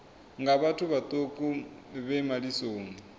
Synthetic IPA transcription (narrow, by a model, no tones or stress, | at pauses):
ŋɡaβatʰuβat̪ʼokʼuβɛmalisoːni